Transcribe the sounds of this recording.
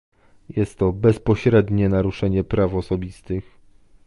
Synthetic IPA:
jɛst̪ːɔbɛspɔɕɾɛd̪ɲɛnaɾuʂɛɲɛpɾafɔsɔbʲist̪ɘx

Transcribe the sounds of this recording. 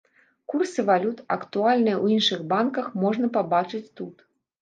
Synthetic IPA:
kursɨvalʲut̪ɐ̰kt̪ualʲnɨjwjinʂɨɣbankɐxmɔʐnɐpabat͡ʂɨt͡sʲt̪ut̪

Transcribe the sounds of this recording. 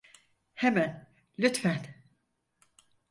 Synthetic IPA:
hemæn | lʲyt̪fæn

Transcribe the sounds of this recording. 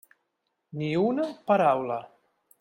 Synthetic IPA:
niunapaɾawla

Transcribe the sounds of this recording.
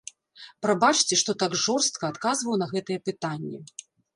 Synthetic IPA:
pɾabat͡ʂt͡sʲɛʂt̪ɔt̪aɡʐɔrst̪̚kɐːt̪kazvɐwnɐɣɛt̪ɨjɛpɨt̪anʲːɛ

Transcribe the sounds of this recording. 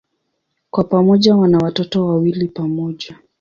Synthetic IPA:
kwapamɔʄawanawatɔtɔwawilipamɔʄa

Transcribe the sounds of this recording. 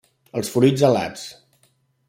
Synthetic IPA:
əlˠsfɾujd͡zəla̰t͡s

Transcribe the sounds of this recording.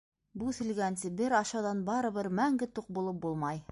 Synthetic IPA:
buθɘ̆lɡænsɘbɘɾɑʃɑwðɑnbɑɾɤ̆βɤɾmæŋɡɘt̪uq̚bulˠɤp̚bulˠmɑj

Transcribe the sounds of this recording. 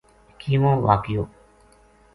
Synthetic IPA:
kʰiːʋõːʋa̰ːkjoː

